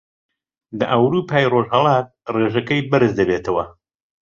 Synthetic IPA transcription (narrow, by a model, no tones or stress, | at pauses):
lɐʔɐwɾuːpʰaːjroʒhɐlˠaːt̪̚reːʒɐkɐjbɨɾɨzd̪ɐbet̪ʰɐwɐ